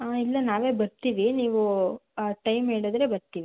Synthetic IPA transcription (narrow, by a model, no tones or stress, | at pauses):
ailːɐnaːʋe̞ːbɐɾt̪iːʋiniːʋuaʈɐjmɦeːɽod̪ɾe̞bɐɾt̪iːʋi